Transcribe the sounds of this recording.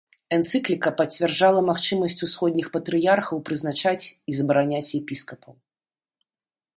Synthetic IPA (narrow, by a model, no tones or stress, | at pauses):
ɛnt̪sɨklʲikɐpɐt͡sʲvʲɛrd͡ʐalˠɐmaxt͡ʂɨmɐsʲt͡sʲusxɔd̪ʲnʲixpɐt̪ɾɨjarxɐwpɾɨznat͡ʂat͡sʲizɐbɾanʲat͡sʲjɛpʲiskɐpɐw